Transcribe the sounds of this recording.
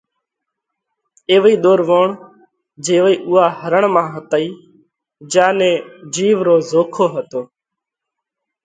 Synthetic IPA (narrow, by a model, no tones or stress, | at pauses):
eːʋiːɗ̪oːɾʋoːɳ | d͡ʒeːʋiːʔʊːaːhəɾəɳmãːɦət̪əiː | d͡ʒãːnẽːd͡ʒiːʋɾoːzoːkʰoːɦət̪oː